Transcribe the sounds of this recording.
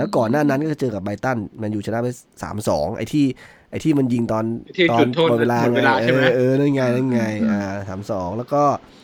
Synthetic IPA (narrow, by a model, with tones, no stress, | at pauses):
lɛː˦˥wkɔː˨˩nːaː˥˩na˦˥nkɔː˥˩t͡ɕt͡ɕɤː˧ka˨˩p̚ba˧jt̪a˥˩nma˧njuː˨˩t͡ɕʰa˧na˦˥pe˦˥sa̰ː˩˦msɔː˩˦ŋʔa̰˧jt̪ʰiː˥˩ | ʔa˧jt̪ʰiː˥˩ma˧nji˧ŋt̪ɔː˧nt̪ɔː˧n˧ɔː˧˩˧laː˧ŋae˧aː˧ʔɤː˧na˥˩ŋa˧ja˥˩ŋa˧˩jaː˧˩sa̰ː˩˦msɔː˩˦ŋlɛː˦˥wkɔː˥˩